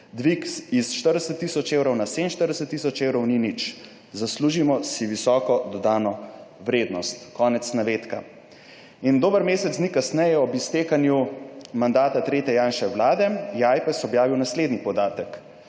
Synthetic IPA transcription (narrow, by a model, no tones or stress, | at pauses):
d̪ʋiksisʃt̪əɾd̪ɛsət̪ːisɔt͡ʃewɾɔwnasenʃt̪əɾd̪ɛsət̪ːisɔt͡ʃewɾɔwninit͡ʃ | zasluːʒimɔsiʋisɔːkɔd̪ɔd̪aːnɔʋɾeːd̪nɔst̪kɔːnɛt̪snaʋeːt̪ka | ind̪oːbəɾmeːsɛt̪snikasnɛjɛɔbist̪eːkanjumand̪aːt̪at̪ɾeːt̪ɛjaːnʃɛwlaːd̪ɛjɛajpɛsɔbjaːʋiwnasleːd̪nipɔd̪aːt̪ək